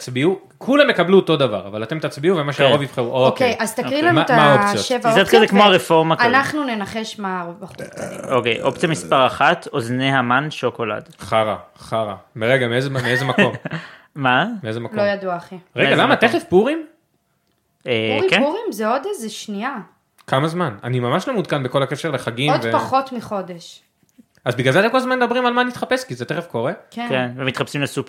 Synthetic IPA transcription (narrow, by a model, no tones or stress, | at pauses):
tt͡sbiu | kʰulamjekabluot̪o̞d̪ava̰ʁavalat̪e̞mt̪at͡sbiuvemaʃeaovifχeʁuʔookejʔazt̪aʁilamataaot͡sjoʃevzod̪kazekmoaʁefo̞ʁmakanaχnunenaχeʃmaʁovbaχutaokejʔo̞pt͡sijamispaʁaχatozneɦamanʃoko̞la̰dχaʁa̰χaʁa̰meʁeɡameezemeezemakom | mameezemakloojaduaχiʁeɡalamat̪eχefpuʁim | ekeuʁimzeod̪ezeʃnia | kamazmana̰nimamaʃlo̞mud̪̚kanbeko̞lakeʃeʁleχaɡiodvepaχot̪miχod̪eʃ | azbiɡlalzeat̪emkolzmanmed̪abʁimalmanit̪χapeskizet̪eχefko̞ʁekekenvemit̪χapsimlesup